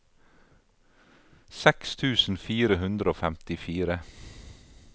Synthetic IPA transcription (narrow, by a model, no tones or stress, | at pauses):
sɛkst̪ʰʉːsn̩fiːɾəhʉnd̪ɾəoːfɛmt̪ɪfiːɾə